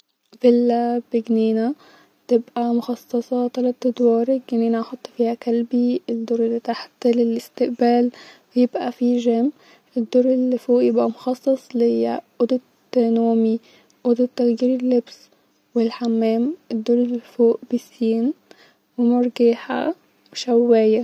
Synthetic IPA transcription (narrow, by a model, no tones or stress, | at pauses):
vɪlːab̥ɪɡniːna | t̪ɪbʔamʊxɑsˤːɑsˤɑt̪ɑlɑt̪d̪wɑːɾɪɡniːnaʔɑħot̪ˤːfiːhakalbiɪd̪ːoːɾɪlːit̪aħt̪lɪlɪst̪ɪʔbæːlfajɪbʔafiʒam | ʔɪd̪ːuːɾˤɪlːifoːʔjɪbʔamʊxɑsˤːɑsˤlhɪjaʔʊd̪ɪ | t̪ːanuːmi | ʔʊd̪ɪt̪ːaɣjiːɾɪlːɪbs | wɪlħamːæːmɪd̪ːuːɾˤɪlːfoːʔb̥ɪsiːn | wɪmʊɾˤɡiːħa̰ | wɪʃawːaːja